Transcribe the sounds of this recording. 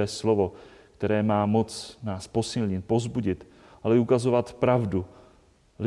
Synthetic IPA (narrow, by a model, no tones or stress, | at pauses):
ɛːslovo̞ | kt̪ɛɾɛːmaːmo̞t͡snaːspo̞sɪlɲɪt̪̚po̞zbuɟɪt̪ | ʔalɛukazo̞vat̪pɾavdu | l